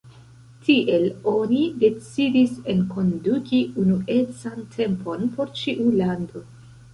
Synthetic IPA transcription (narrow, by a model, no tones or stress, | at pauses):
tiʔe̞lo̞nide̞t͡sidise̞nko̞ndukiunuʔet͡santʰe̞mpo̞npo̞ɾt͡ʃiʔulando̞